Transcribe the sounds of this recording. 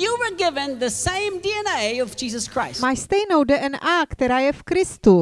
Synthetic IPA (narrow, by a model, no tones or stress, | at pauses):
jəwə˞ɡɪvɨ̃nðɨsẽɪ̃mdiɛ̃neɪʌvd͡ʒizəskʰɹ̥aɪsmajst̪ejnowdəʔɛnʔakt̪ɛɾaːjɛfkɾɪst̪u